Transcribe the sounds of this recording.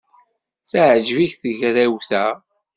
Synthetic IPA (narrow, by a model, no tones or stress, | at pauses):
θaʕd͡ʒviçθəʝɾæwθæ